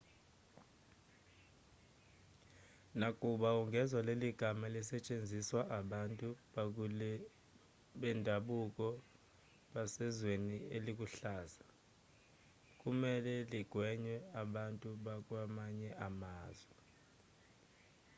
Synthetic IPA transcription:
nakʼuɓauŋɡʱɛzwaleliɡ̥ʱamalisɛt͡ʃʼend͡zʱiswaʔaɓantʼuɓak̬ulɛ | ɓɛndʱaɓuk̬ʼɔ | ɓasɛzwenielik̬ʼuɬaːza | k̬ʼumɛlɛliɡ̥ʱwɛɲwɛaɓantʼuɓak̬ʼwamaɲɛʔamaːzwɛ

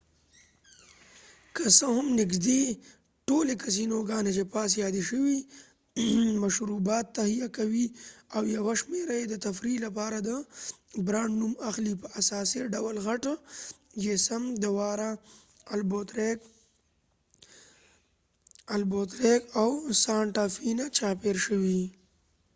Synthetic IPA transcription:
kəsəɦʊmnɪɡd̪e | ʈolekas̬inoɡɑnet͡ʃepɑːs̬jɑːd̪eʃəwi | maʃɾubɑːt̪ːahijakawiawjawaʃmeɾajed̪ət̪afɾilapɑːɾad̪əbɾɑɳnumaxlipəʔasɑːsiɖawlɣaʈ | d͡ʒesamd̪əwɑɾa | lbot̪ | albot̪ɾekawsɑɳʈafinat͡ʃɑpeɾʃəwi

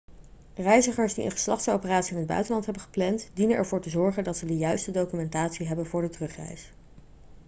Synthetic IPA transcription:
rɛjzəχəɹsdḭə̰nχə̥slɑχtso̰wpəraːtsiɪnɦəd̚bœ̰ɥtənɑntɦɛbənχə̥plɛntdinənʔɛɹv̥ʊːɹtəzɔɹχəndɑtsədəjœɥstədowkymɛntaːtsiɦɛbənvʊːɹdətrɵχrɛ̰js

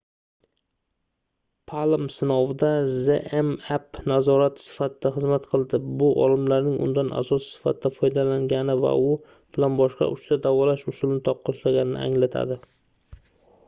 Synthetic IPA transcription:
pʰalmsɪnɒvd̪azeʔemepnazɒɾat̪ʰsɪ̥fat̪ʰɪd̪aχɨzmat̪qʰɨlˠd̪ɪbʊʔɒ̰lɪmlaɾnɪŋʔʊ̰nd̪ana̰sɒssɪ̥fat̪ɪd̪̥afɒjd̪alaŋɡʲanɪva̰ʊ | b̥ɪlanbɒʃqɑ̰ʔʊʃt̪ʰad̪avɒlaʃʊsʊlɪnɪt̪ʰɒqʰːɒslaɡʲanɪnɪ̰a̰ŋlat̪ʰa̰d̪ɪ

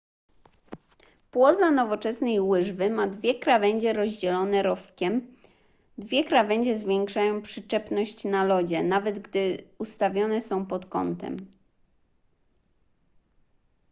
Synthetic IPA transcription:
pwɔzanɔvɔt͡ʂɛsnɛjwɘʐvɘmad̪vʲjɛkɾavɛɲd͡ʑɛɾɔʑd͡ʑɛlɔnɛɾɔfkʲɛm | d̪vʲjɛkɾavɛɲd͡ʑɛzvʲjɛŋkʂajɔ̃w̃pʂɘt͡ʂɛpnɔɕt͡ɕnalɔd͡ʑɛnavɛd̪ɡd̪ɘust̪avʲjɔnɛsɔ̃w̃pɔt̪kɔ̰nt̪ɛ̰m

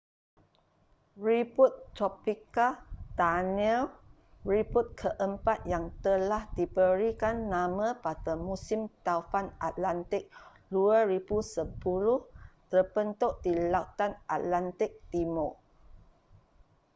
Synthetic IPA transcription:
ɹiput̪ːɾopikad̥anil | ɹibut̪̚kʰəʔəmpat̪̚jaŋt̪əlahdibəɾikanːãmə̃patamũsimt̪awfanat̪̚lant̪ɪk̚ | luəɾibusəpulʊht̪ərbənt̪oʔdilat̪anʔa̰t̪̚lant̪ɪk̚t̪imo

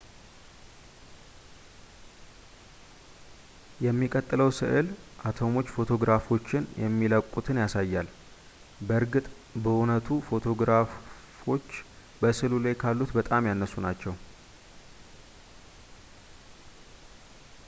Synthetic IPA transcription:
jɛmːikʼət̪ʼːɨləwsɨ̰ʔɨlʔat̪ʰo̞mo̞t͡ʃːfo̞t̪ʰo̞ɡɾafo̞t͡ʃːɪnjɛ̰mːiləkʼːut̪ʰɨnjasajːal | bəɨɾɡɨt̪ʼ | bəʔunət̪ʰufo̞t̪ʰo̞ɡɾaf | o̞t͡ʃː | bəsɨlulajkʰalːut̪bət̪ʼamjanːəsunat͡ʃːɛw

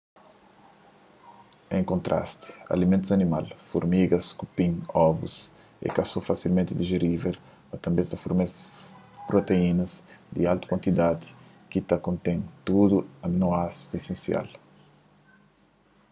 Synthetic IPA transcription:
ḛ̃ŋkõnt̪ɾʔa̰st̪i̥ɐ̰limẽnt̪uzɐnimalfṵɾmiɡɐskupĩɲɔvṵs | ḛkasofasilmẽnt̪ɪd̪iʒeɾivel | ɐt̪ɐ̃mbẽst̪ɐfuɾmespɾot̪einɐzd̪ialt̪u̥kwãnt̪id̪ad̪ɪ̥ | kit̪ɐkõnt̪ẽnt̪ud̪uɐnoasesẽnsia̰l

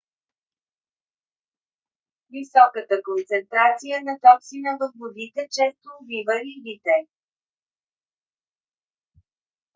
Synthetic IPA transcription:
visɔkət̪əkont̪sɛnt̪ɾat̪sijənɐt̪ɔpsinəvəfvod̪it̪ɛt͡ʃɛst̪oːvivəlivit̪ɛ

